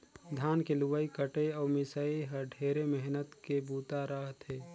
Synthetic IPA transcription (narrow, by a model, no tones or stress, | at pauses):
d̪ʱaːnkeluʋəikəʈeɔːɾmɪsəiɦəɖʱeːɾemɛɦnət̪kebuːt̪aɾəɦt̪ɦeː